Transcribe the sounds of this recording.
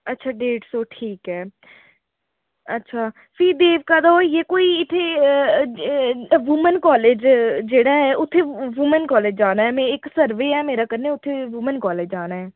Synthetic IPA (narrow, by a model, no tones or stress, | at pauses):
ətːʃʰaːɖeːʈsoːʈʰiːkɦɛː | ətːʃʰaː | pʰiːd̪eːʋkaːd̪aːjeːkoːiːɪt̪ʰːe | ʋʊmənkɔːleːd͡ʒd͡ʒeːɽaːɦɛːʔʊt̪ʰːeːʋʊmənkɔːleːd͡ʒd͡ʒaːnaːɛːmɛ̃ːɪksəɾʋeːɛːmeːɾaːkəɾneːʊt̪ʰːeːʋʊmənkɔːleːd͡ʒd͡ʒaːnaːɦɛː